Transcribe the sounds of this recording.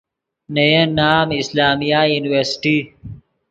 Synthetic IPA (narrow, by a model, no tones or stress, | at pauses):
nɐjənaːmislaːmijajuːniweɾsʈi